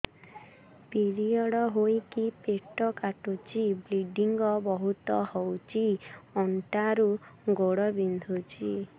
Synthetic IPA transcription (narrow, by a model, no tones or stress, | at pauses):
piɾiɔɽɔɦojkipeʈɔkaʈut͡ʃʰibliɖiŋɡɔbɔɦut̪ɔhɔwt͡ʃʰiɔɳʈaɾuɡoɽɔbind̪ʱut͡ʃʰi